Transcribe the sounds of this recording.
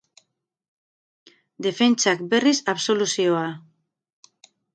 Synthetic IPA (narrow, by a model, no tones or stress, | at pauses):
d̪e̞fe̞nt͡ʃak̚be̞risaβso̞lusioa